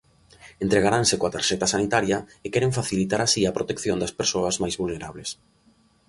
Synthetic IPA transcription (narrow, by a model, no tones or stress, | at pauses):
ent̪ɾeɣaɾansɪkoat̪aɾʃɛt̪ɐsanit̪aɾjɐekɛɾeɱfaθilit̪aɾasiɐpɾot̪ekθjond̪ɐspeɾsoɐzmajzβulneɾaβles